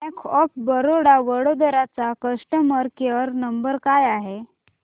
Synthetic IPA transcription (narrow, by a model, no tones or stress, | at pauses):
ekʰɔp̚bəɾoɽaʋəɽod̪əɾat͡sakəsʈəməɾkeɾnəmbəɾkajaɦe